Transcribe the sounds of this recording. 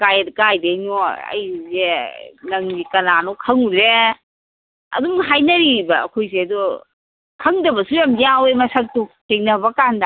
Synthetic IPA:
kajɐdkajdenoɐ̰jzenɐŋzikɐnanɔkʰɐŋudɾe | ɐ̰duŋɦajnɐɾibɐːkʰojseɐdu | kʰɐŋdɐbɐsujamd͡ʒiawemɐsɐk̚tu | eŋnɐbɐkanda

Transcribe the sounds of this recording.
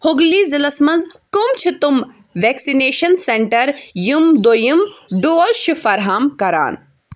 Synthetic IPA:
hoɡliːzilɐsmɐnzkumt͡ʃʰit̪um | ʋeksineːʃɐnseɳʈɐɾjumd̪ojimɖoːlʃifɐɾɦaːmkɐɾa̰ːn

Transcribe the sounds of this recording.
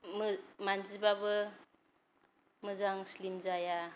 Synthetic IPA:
mmanzibabɯ | mɯzaŋslimzaja

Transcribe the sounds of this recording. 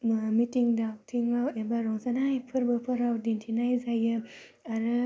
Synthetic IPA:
mitiŋdawtʰiŋlawembaɾɔŋzanajpʰɯɾbɯpʰɯɾawdintʰinajzajɯ | aɾɯ

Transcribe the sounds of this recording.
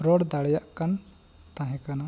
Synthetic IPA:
ɾɔɽd̪aɽɛjaʔkan | t̪ãɦɛ̃kana

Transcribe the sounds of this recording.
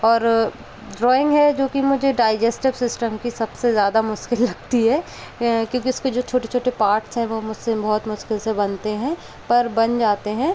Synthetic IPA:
ɔːɾ | ɖɾɔːɪ̃ŋɡɦɛd͡ʒoːkimʊd͡ʒʱeɖaːɪd͡ʒesʈɪbsɪsʈəmkisɐbsezjaːd̪amʊʃkɪlːɐɡt̪iɦɛː | kjõːkiʊsked͡ʒoːt͡ʃʰoːʈet͡ʃʰoːʈepaːɾʈsɦɛ̃ʋomʊsebɔɦɔt̪mʊʃkɪlsebɐnt̪eɦɛ̃ː | pɐɾbɐnd͡ʒaːt̪eɦɛ̃ː

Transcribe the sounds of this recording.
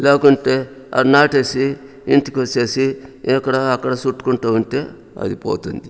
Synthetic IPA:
leːkuɳʈe̞ː | ɐ̰ɾnaːʈeːsi | iɳʈikʋɐt͡ʃːeːsiɛkːɐɽɐːkːɐɽɐsuʈːu̥kuɳʈaːʋɐɳʈe̞ː | ɐ̰d̪ipoːt̪und̪i

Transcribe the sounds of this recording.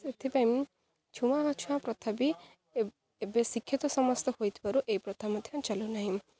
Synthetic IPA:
et̪ʰipajmi | t͡ʃʰumaɦat͡ʃʰuãpɾɔt̪ʰabi | ebesikʰːit̪ɔsɔmɔst̪ɔhojt̪ʰi̥paɾuʔejpɾɔt̪ʰamɔd̪ʱjant͡ʃalunaɦĩ

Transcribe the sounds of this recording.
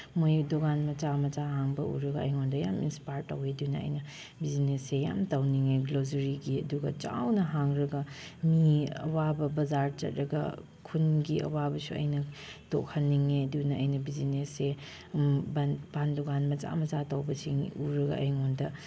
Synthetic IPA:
mojudoɡanmɐt͡ʃamɐt͡ʃaɦaŋbɐṵɾɐɡɐɐ̰jŋondɐja̰mḭnspaɾtːɐ̰weɐdunɐɐ̰jnɐ | bizinesːeja̰mtɐwniŋeɡlozɐɾiɡiɐduɡɐ̰t͡ʃa̰wnɐɦaŋɾɐɡɐmiɐ̰wabɐbɐzaɾt͡ʃɐ̰t̚ɾɐɡɐ̰ | kʰunɡiʔɐ̰wabɐsuɐ̰jnɐ | to̰khʰɐnːiŋeɐdunɐɐjnɐbizinese | bbandoɡanmɐt͡ʃa̰mɐt͡ʃatɐwbɐsiŋuɾɐɡɐ̰ɐ̰jŋondɐ

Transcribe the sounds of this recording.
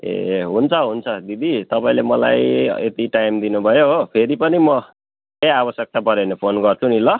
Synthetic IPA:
ḛɦunt͡sʰʌɦunt͡sʰʌd̪id̪it̪ʌpaĩlemʌla̰jḛt̪iʈajmd̪inubʱʌjoɦpʰeɾipʌnimʌ | kejabʌsjek̚t̪apʌɾenepʰonɡʌrt͡sʰunilʌ

